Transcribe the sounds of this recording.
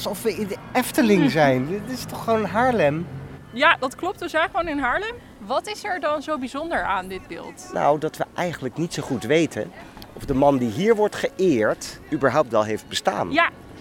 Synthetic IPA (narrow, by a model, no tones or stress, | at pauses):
sɔfʋəɪndɛftəlɪŋzɛjnɪtɪstɔχʋownɦaːɹlɛmjadɑtklɔp̚tʋəzɛjχəʋownɪnɦaːɹlɛm | ʋɑtɪsɛɹdɑnzowbizɔndəɹaːndɪd̚bɪ̰ːlˠtna̰wdɑtʋəʔɛjχənələknitsoχutʋejtʰə̰nɔfdəmɑndiɦiːɹʋɔɹtχəʔɪːɹtybəɹɦɑwp̚tʋɛlˠɦejfd̚bəsta̰ːnja